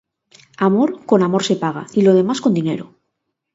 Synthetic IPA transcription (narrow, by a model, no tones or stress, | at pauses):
amo̞ɾko̞namo̞ɾse̞paɣ̞a̰ilo̞ð̞e̞masko̞nd̪ine̞̰ɾo